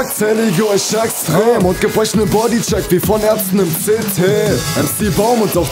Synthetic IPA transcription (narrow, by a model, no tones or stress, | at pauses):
k̚t͡sɛlɪɡəɔç̥ɛɛkstʁ̥eːmʊnt̚ɡ̥əbʁɛçnəbɔdit͡ʃɛkv̥iːfɔnɛɐstn̩ɪmt͡seːtʰeːʔɛsd̥iːbaʊmʊntaχ